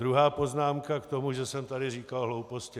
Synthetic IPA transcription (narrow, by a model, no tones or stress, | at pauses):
ɾuɦaːpo̞znaːmkakt̪o̞muʒɛsɛmt̪adɪriːkalɦlowpo̞scɪ